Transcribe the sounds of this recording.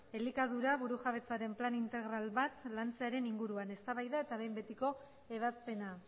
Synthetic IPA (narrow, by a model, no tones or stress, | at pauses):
e̞likað̞uɾaβuɾuʝaβ̞e̞t͡saɾe̞mplanint̪e̞ɣɾalβat̪lant͡se̞aɾe̞niŋɡuɾuane̞st̪aβajðae̞t̪aβe̞jmbe̞t̪iko̞ | e̞β̞aspe̞na